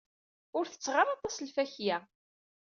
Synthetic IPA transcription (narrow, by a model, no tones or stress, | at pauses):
ʊɾθə̥t͡sːʁəɾˤɑt̪ˤɑslfæçjæ